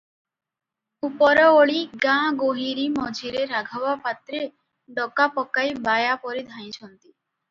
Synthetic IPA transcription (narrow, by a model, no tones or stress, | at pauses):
upɔɾɔoɭiɡãɡoɦiɾimɔd͡ʒʱiɾeɾaɡʱɔbapat̪ɾe | ɖɔkapɔkajbajapɔɾid̪ʱãj̃t͡ʃʰɔnt̪i